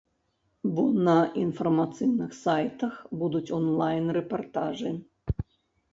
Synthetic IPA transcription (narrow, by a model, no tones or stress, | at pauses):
bɔnɐʔinfɐrmat̪sɨjnɨxsajt̪ɐxbud̪ut͡sʲɔnlˠajnrɛpart̪aʐɨ